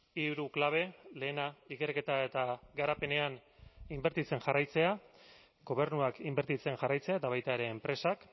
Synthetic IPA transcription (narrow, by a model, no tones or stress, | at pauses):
iuɾuklaβ̞e̞le̞ːnaike̞rke̞t̪ae̞t̪aɡaɾape̞ne̞animbe̞ɾt̪it͡se̞nʝarajt͡se̞a | ɡo̞β̞e̞ɾnuakimbe̞ɾt̪it͡se̞nʝarajt͡se̞ae̞t̪aβajt̪aeɾe̞ːmpɾe̞sak